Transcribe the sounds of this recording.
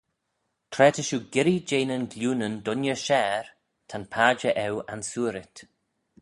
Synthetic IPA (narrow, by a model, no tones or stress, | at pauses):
t̪ʰɾɛːtʰəʃuːɡɪɾid͡ʒeːnənɡlʲuːnəndʊnjəʃɛːɹ | tʰanpʰaːd͡ʒəʔɛwansuːɾɪt